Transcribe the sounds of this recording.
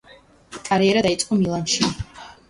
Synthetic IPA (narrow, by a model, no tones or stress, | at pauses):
kʼaɾiɛɾad̪ait̪sʼqʼɔmilˠanʃi